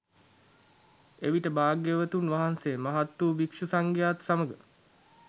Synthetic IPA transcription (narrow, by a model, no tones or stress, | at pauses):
eʋiʈəbaːɡjəʋət̪unʋaɦansemaɦat̪ːuːʋikʂusaŋɡjaːt̪saməɡə